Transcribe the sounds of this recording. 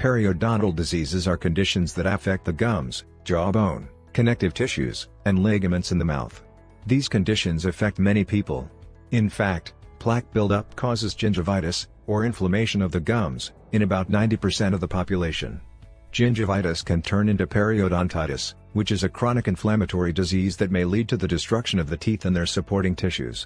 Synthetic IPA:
pʰɛɹioʊdɑnɾl̩ˠdɨzizɨzə˞kʰɨ̃ndɪʃɨ̃nzðɨɾɨfɛk̚t̪̚ðɨɡʌ̃mz̥ | d̥ʒ̥ɑbõʊ̃n | kʰɨnɛk̚tɨv̥tʰɪʃʉ̰z̥ | ɨ̃nlɛɡɨmɨ̃ntsn̩ðɨma̰ʊθ | ðiz̥kɨ̃ndɪʃɨ̃nzɨfɛk̚t̚mɛɾ̃ipʰipl̩ˠ | ɨ̃nfæk̚t̚pʰl̥æk̚b̥ɪlˠdʌp̚kʰɔzɨzd͡ʒɪ̃nd͡ʒɨvaɪɾɨs | ə˞ɪ̃ɱfləmeɪʃɨ̃nʌvðɨɡʌ̃mz̥ | ɨ̃ñɨbaʊtⁿnãɪ̃ntipʰə˞sɛ̃ɾ̃ʌvðəpʰɑpjɨleɪʃɨ̰̃n̥ | d͡ʒ̥ɪ̃nd͡ʒɨvaɪɾɨskʰɨ̃ntʰɜ̃˞nɪ̃ntʉpʰɛɹioɾɑ̃ntʰaɪɾɨs | wɨt͡ʃɨzɨkʰɹ̥ɑñɨkɨ̃nflæmɨtʰɔɹidɨzizðɨt̚meɪlid̚tʰɨðɨdɨstɹ̥ʌkʃɨ̃nʌvðɨtʰiθɨ̃nðə˞sɨpʰɔɹɾɪ̃ŋtʰɪʃʉ̰z̥

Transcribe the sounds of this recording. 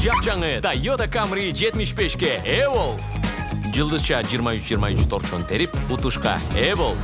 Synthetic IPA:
d͡ʒɑp̚t͡ʃɑŋət̪ajot̪akamɾid͡ʒe̞t̪miʃbe̞ʃkʲeewolˠ | d͡ʒɯlˠd̪ɯzt͡ʃɑd͡ʒijɾmɑysd͡ʒijɾmɑynt͡ʃy̥t̪ʰo̞ɾt͡ʃont̪ʰe̞ɾiput̪uʃqɑ̰eβolˠ

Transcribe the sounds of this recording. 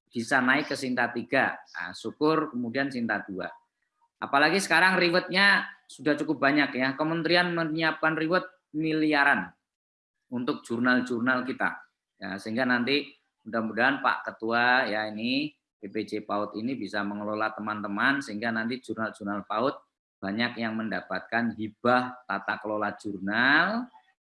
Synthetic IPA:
b̥isanaɪkːəsint̪at̪iɡaa̰sukʊrkəmudiansint̪ad̥ua̰ | ʔa̰palaɡisə̥kaɾaŋriwət̪̚ɲasudaht͡ʃukʊp̚b̥aɲakjakəmənt̪ɾianməɲiap̚kanriwət̪̚ | miliaɾan | unt̪ʊk̚d͡ʒ̥urnald͡ʒurnalkit̪a̰ | ja̰səɦiŋɡanant̪i | udamudaɦanpa̰ʔkət̪uajaini | beped͡ʒepaʊt̪inibisaməŋəlolat̪əmant̪əmansəɦiŋɡanant̪id͡ʒurnald͡ʒurnalpaʊt̪̚ | b̥aɲakjaŋməndapat̪̚kanɦib̥aht̪at̪akəlolad͡ʒ̥urnal

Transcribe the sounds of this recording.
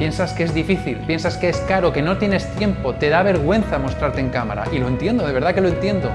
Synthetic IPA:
pje̞nsaskee̞zðifiθilpje̞nsaskeeskaɾo̞ke̞no̞t̪je̞ne̞st̪je̞mpo̞t̪e̞ðaβe̞ɾɣwe̞n̟θamo̞st̪ɾaɾt̪eŋkama̰ɾa̰ʔilo̞ent̪je̞nd̪o̞ðee̞ɾðake̞loe̞nt̪je̞nd̪o̞

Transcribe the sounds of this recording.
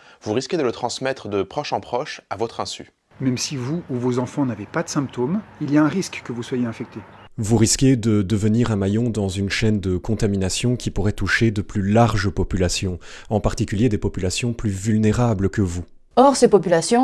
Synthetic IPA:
vuʁiskʲed̪ələt̪χɑ̃smɛt̪χəd̪əpχɔʃɑ̃pχɔʃavɔt̪χɛ̃sy̰ | mɛmsivuːvozɑ̃fɑ̃navepad̪ə̥sɛ̃p̚t̪omiliaɛ̃ʁiskkːəvuswajeɛ̃fɛk̚t̪e | vuʁiskʲed̪əd̪əvəniʁɛ̃majɔ̃d̪ɑ̃zynʃɛnd̪əkɔ̃t̪aminasjɔ̃kʲipuʁɛt̪uʃed̪əplylaʁʒpɔpylasjɔ̃ | ɑ̃paʁt̪ikʲyljed̪epɔpylasjɔ̃plyvylneʁabləkəvu | ɔʁsepɔpylasjɔ̃

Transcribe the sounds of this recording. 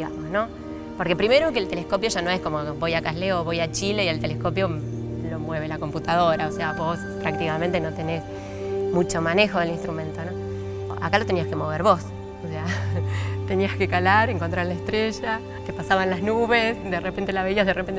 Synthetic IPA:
ɣa̰mosno̞ | poɾkepɾime̞ɾokelt̪elehko̞pjo̞ʒanõesko̞mobojakasleoβo̞jat͡ʃileialt̪elesko̞pjo̞ | lo̞mwe̞β̞elako̞mput̪aðo̞ɾaose̞aβo̞spɾak̚t̪ikamẽnt̪eno̞t̪ene̞s | mut͡ʃo̞mane̞xo̞ðelinst̪ɾumẽ̞nt̪o̞no | a̰kalo̞t̪eniaske̞mo̞β̞eɾβo̞s | osea | t̪e̞niaske̞kalaɾeŋko̞nt̪ɾaɾlaest̪ɾeʒa | kepasaβanlaznuβesd̪erepe̞nt̪elaβe̞iahðerepen

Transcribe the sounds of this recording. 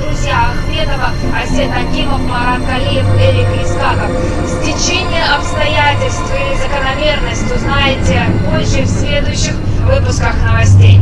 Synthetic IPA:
d̪ɾʊzʲjaɐxmʲe̞t̪əvə | ɐsʲet̪ɐdʲiməfmɐɾak̪ɐlʲijɪflʲeɾʲɪklʲɪsk̪ak̪əf | sʲtʲɪt͡ɕenʲɪjəɐpst̪ɐjatʲɪlʲst̪viɪzəkənɐmʲe̞rnəsʲtʲʊznajɪtʲɪpozɪfsʲlʲe̞d̪ʊjʊɕːɪxvɨpʊskəxnəvɐsʲtʲej

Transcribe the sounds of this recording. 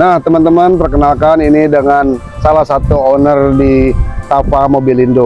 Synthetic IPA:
naht̪əmant̪əmanpərkənalkaninidəŋan | salahsat̪uonərdit̪afamobilindo

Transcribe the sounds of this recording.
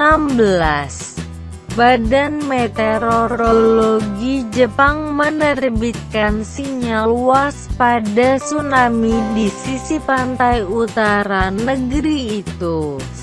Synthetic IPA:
nambəlas | badanmet̪eɾoɾoloɡid͡ʒəpaŋmənərbit̪̚kansiɲaluaspadasunamidisisipant̪ajut̪aɾanəɡəɾiːt̪u

